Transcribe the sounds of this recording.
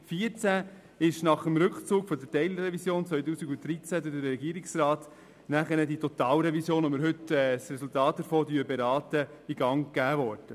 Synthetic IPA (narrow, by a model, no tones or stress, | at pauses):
fiəɾt͡sæ | ɪʃnɑχəmɾʏkχt͡suːkfɔdəɾtɛɪlɾɾɛvisjoːnt͡sʋœʏtuːsiɡʊnt̚d̥ɾit͡sæd̪ɪdəɾɾɛɡiːəɾɪksrɑːt | næχənəditot̪ɑːlɾɛvisjoːnomɪɾɦɵtɛsrɛsultɑːt̚d̥əɾfoːdyːəbeɾɑːt̪əiɡ̥ɑŋɡ̥æːvɔːɾd̥ə